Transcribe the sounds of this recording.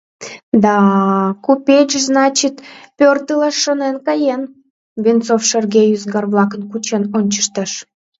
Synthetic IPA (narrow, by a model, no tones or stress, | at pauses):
d̪ɑkupʲet͡ɕznɑt͡ɕit̪pʲørt̪əlɑʃːonenkɑjen | βʲint͡sofʃerɡʲejyzɡɑrβlˠɑkənkut͡ɕenonʲt͡ɕə̥ʃt̪əʃ